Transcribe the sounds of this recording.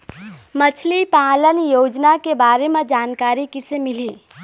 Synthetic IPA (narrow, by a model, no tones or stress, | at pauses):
mət͡ʃʰlipalənjoːd͡ʒnakebaːɾemẽd͡ʒaːnkaːɾikisemili